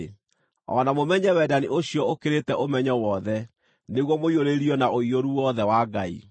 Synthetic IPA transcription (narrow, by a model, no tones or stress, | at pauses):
ɔ̰namomɛɲɛwɛdaniʔoɕiɔokeɾetɛʔomɛɲɔwɔðɛ | neɣwɔmoioɾeɾiɔnaʔoioɾuwɔðɛwaɡaḭ